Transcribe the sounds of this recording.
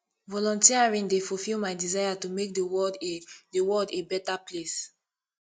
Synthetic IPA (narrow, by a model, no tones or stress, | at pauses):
vɔlɔ̃ntiaɹĩŋdefulfilˠmajdizajatumek̚dəwɔddewɔdebɛtaples